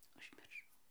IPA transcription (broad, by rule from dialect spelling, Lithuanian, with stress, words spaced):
ʊʒʲmʲɪrˈʃɐʊ